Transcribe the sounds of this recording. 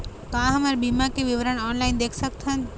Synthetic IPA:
t̪ãɦəmaɾbimakeʋɪʋəɾəɳɔːnlaːɪnd̪eːkʰsək̚t̪ʰɦən

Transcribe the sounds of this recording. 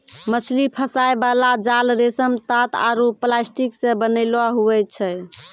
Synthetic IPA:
mət͡ʃʰlipʰəsajbalad͡ʒalɾesəmt̪at̪a̰ɾuplasʈiksẽbənəɪlaɦuɛt͡ʃʰɛ

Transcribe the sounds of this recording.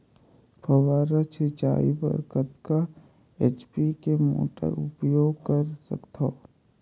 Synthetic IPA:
pʰəʋaːɾat͡ʃʰet͡ʃa̰ːibə̰ɾkət̪ka | et͡ʃpikemo̰ːʈə̰ɾʊpjoːɡkəɾsə̰kt̪ʰoː

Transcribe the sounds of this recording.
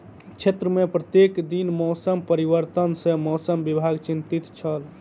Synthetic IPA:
t͡ʃʰet̪ɾəmepɾət̪jekd̪inmɔsəmpəɾibəɾt̪ənsẽmɔsəmbibʱaɡt͡ʃint̪it̪t͡ʃʰəl

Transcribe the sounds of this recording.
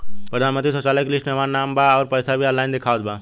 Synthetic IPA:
pɾəd̪ʱanmənt̪ɾisot͡ʃaləklisʈmemannːambaɔːɾpəjsabʱiəlːajnd̪ekʰaːt̪̚ba

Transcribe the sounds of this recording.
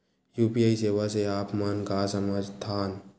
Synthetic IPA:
jupiaisewaseaːpmɐnkasəməd͡ʒt̪ʰaːn

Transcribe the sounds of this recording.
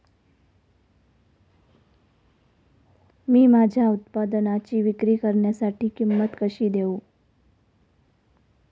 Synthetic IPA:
mĩmad͡ʒʱaʊt̪pad̪ənat͡ʃiʋɪkɾikəɾnjasaʈʰikɪmːət̪kəʃid̪eũ

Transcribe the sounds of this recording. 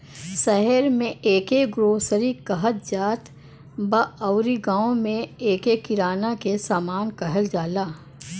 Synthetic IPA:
ʃɛɦɛɾmẽʔeːkeɡɾoːsəɾikɐɦət̪̚d͡ʒaːt̪ | baɐʊɾiɡãːõmẽeːkekɪɾaːnakesaːmaːnkɐɦəld͡ʒaːlaː

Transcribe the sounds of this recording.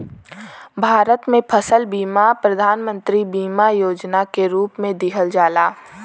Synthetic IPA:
bʱaːɾət̪mẽpʰɐsəlbiːmapɾɐd̪ʱaːnmə̃nt̪ɾibiːmajoːd͡ʒnakeɾuːpmẽd̪ɪɦəld͡ʒaːlaː

